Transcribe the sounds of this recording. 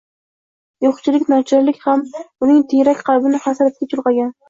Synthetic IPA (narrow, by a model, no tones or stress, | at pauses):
joχt͡ʃʰɪlɪkʲnɒt͡ʃʰɪɾlɪkʲhamʊnɪŋt̪ʰejɾakʲqʰɑlˠbɪnɪχasaɾat̪̚kʲat͡ʃʰʊlˠqɑɡʲan